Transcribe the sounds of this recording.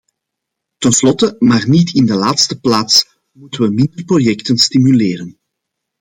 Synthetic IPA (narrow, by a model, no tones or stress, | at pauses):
tənslɔtəmaːrnitɪndəlaːtstəplaːts | mutənʋəmɪndərprojɛktənstimyleːɾən